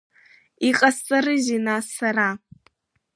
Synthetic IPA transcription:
iqʼast͡sʼaɾɨzinassara

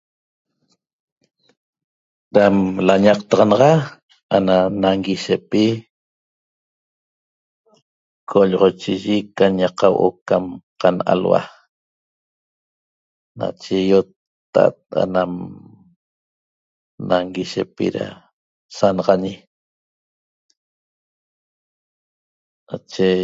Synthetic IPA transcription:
ɾamlaɲɑq̚t̪ɑʁɑnɑʁɑ | ananaŋɡiʃepi | kʰoʎɔʁot͡ʃiʒikaɲaqawʔokamqanʔa̰lwa̰ | na̰t͡ʃejot̪ː | a̰t̪̚a̰nam | naŋɡiʃepḭɾa̰ | sanɑʁɑɲi | nat͡ʃe

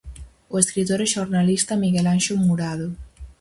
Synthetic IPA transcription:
oeskɾit̪oɾeʃoɾnalist̪amiɣelanʃumuɾaðo

